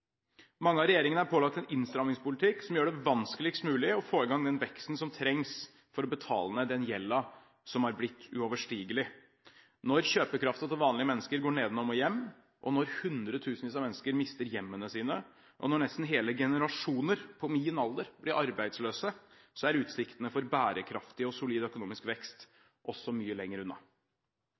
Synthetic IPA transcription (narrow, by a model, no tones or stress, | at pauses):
mɑŋːəɑʋɾɛjeːɾɪŋənəæɾpʰoːlɑk̚t̪ɛnɪnst̪ɾɑmnɪŋspʊlɪt̪ʰɪksɔmjøːɖɛʋɑnskəlɪkst̪mʉːlɪɔfoːɪɡɑŋd̪ɛnʋɛkst̪n̩sɔmt̪ʰɾɛŋs | fɔɾɔbət̪ʰɑ̰ːlənəd̪ɛnjɛlːɑ | sɔmhɑɾblɪt̪ːʉ̰ɔʋəʂʈiːɡəlɪ | nɔɾçøːpəkʰɾɑft̪ɑt̪ʰɪlʋɑːnlɪəmɛnːəskəɾɡoːɳeːd̪nɔmɔjɛmː | ʔɔnɔɾhʉnd̪ɾət̪ʰʉːsnʋiːs̬ɑmɛnːəskəɾmɪst̪əɾjɛmːənəsiːnə | ʔɔ̰nɔɳɛst̪n̩ɦeːləɡɛnəɾɑʂuːnəɾpʰɔmiːənɑld̪əɾblɪɾʔɑɾbæɪd̪sløːsə | sɔæɾʉːt̪sɪkt̪ənəfɔɾbæːɾəkʰɾɑft̪ɪɔsʊliːd̪œkʊnuːmɪskʋɛkst̪ | ʔɔsːɔmyːəlɛŋːəɾʉnːɑ